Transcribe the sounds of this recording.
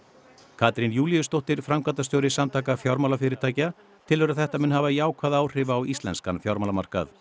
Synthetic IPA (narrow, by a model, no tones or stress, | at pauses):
kʰaːt̪ɾinjuːlijʏst̪owht̪ɪɾ̥fɾamkant̪ast̪jowɾɪsamt̪ʰaːkafjɔɾmawlafɪɾɪɾt̪ʰaːjca | t̪ʰɪlœɾaθɛht̪amʏnhavaiaːwkʰvaːðaːwr̥ɪvaːwist̪lɛ̰nskanfjɔɾmaːlama̰r̥ka̰θ